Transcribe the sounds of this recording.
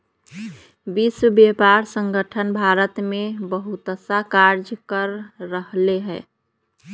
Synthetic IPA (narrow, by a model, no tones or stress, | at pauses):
biswəbjepaɾsə̃ŋɡəʈʰənbʱaɾət̪mebəɦut̪əsakaɾd͡ʒkəɾːəɦleɦɛː